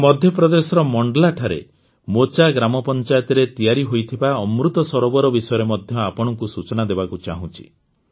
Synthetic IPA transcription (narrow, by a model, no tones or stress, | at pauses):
mɔd̪ʱjɔpɾɔd̪esɔɾɔmɔɳɖɔlaʈʰaɾḛ | mot͡ʃaɡɾamɔpɔnt͡ʃajɔt̪ɔɾet̪ijaɾiɦojt̪ʰibaɔmɾut̪ɔsɔɾɔbɔɾɔbisɔjɔɾemɔd̪ʱjɔapɔɽ̃ɔŋkusut͡ʃɔnad̪ebakut͡ʃa̰ɦũt͡ʃʰi̥̰